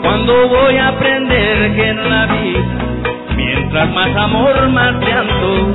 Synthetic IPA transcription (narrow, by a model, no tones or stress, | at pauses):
kwãnd̪oʋojapɾend̪eɾɡennabi | mient̪ɾasmasamoɾmaɾt̪jant̪o